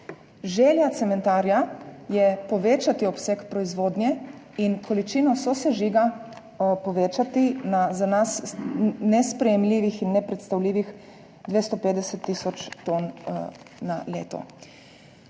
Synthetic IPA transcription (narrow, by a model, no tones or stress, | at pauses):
ʒeːljat̪sɛmɛ̃nt̪aːɾjajɛpɔʋeːt͡ʃat̪iɔpsekpɾɔizʋoːd̪njɛ | inkʰɔlit͡ʃiːnɔsɔsɛʒiɡa | pɔʋeːt͡ʃat̪inazanasnɛspɾɛjɛmliːʋixinːɛpɾɛt̪st̪awliːʋix | d̪ʋeːst̪ɔpeːt̪d̪ɛsɛt̪ːiːsɔt͡ʃt̪oːnː | a̰lḛːt̪ɔ̰